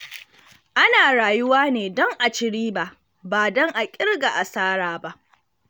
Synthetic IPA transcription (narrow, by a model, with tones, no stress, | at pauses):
ʔa˦naː˨ɽaː˨jʊ˦waː˦neː˨dɔ˦ŋʔa˨t͡ʃɪ˨ɽiː˦ba˦˨ʔ | baː˨dɔ˦ŋʔa˨kʲʼɪ˦ɽɡa˨ʔa˨saː˦ɽaː˨ba˦ʔ